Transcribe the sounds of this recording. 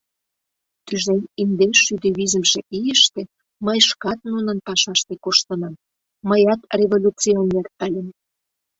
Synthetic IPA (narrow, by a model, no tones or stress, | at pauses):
t̪yʒenʲind̪eʃyd̪eβizə̆mʒĕʔijə̆ʃt̪ĕ | məjʃkɑt̪̚nunə̆npɑʃɑʃt̪ĕkoʃt̪ə̆nɑm | məjɑt̪rʲevolʲut͡sionːert̪ælʲə̆n